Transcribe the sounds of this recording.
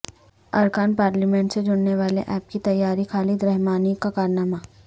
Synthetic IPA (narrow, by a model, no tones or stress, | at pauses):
ɐɾkaːnpaːɾlimɛ̃ɳʈsed͡ʒʊnneʋaːlḛʔɛːp̚kit̪ɐjːaːɾikʰaːlid̪ɾɛɦmaːnikakaːɾnaːmaː